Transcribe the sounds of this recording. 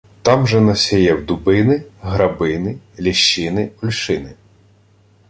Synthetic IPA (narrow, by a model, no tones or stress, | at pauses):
t̪ɑmʒɛnɐsʲɛjɛwd̪ʊbɪnɪɦɾɐbɪnɪlʲiʃt͡ʃːɪnɪʊlʲʃɪnɪ